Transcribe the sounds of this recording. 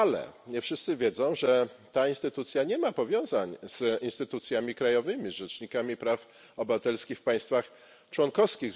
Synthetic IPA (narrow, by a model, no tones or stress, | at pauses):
alɛ̰ɲɛfʂɘst̪sɘvʲjɛzɔ̃w̃ʐɛt̪ainst̪ɘt̪ut̪sʲjaɲɛmapɔvʲjɔ̃w̃zaɲz̥inst̪ɘt̪ut̪sʲjamʲikɾajɔvɘmʲizʐɛt͡ʂɲikamʲipɾaf | ɔbɘvat̪ɛlskʲixfpaj̃st̪fax | t͡ʂwɔnkɔfskʲiɣ